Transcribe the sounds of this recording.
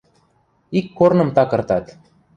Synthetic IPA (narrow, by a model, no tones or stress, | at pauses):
ikːornə̆mt̪ɑkɤ̆rt̪ɑt̪